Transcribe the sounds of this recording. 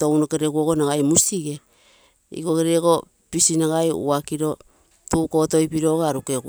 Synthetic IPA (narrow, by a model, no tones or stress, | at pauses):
to̞wnokeɾeɡuoɡonaɡajmusiɡe̞ | ḭɡokeɾeɡo̞ | pisinaɡajṵakiɾo̞ | tuko̞to̞jpiɾo̞ɡaaɾukeu